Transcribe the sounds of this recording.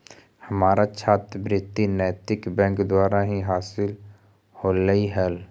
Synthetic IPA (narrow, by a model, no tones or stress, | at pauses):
hɐmaːɾat͡ʃʰaːt̪bɾɪt̪ːinɛːt̪ɪkbɛ̃ːŋkd̪waːɾaɦiɦaːsɪl | hoːləiɦɛl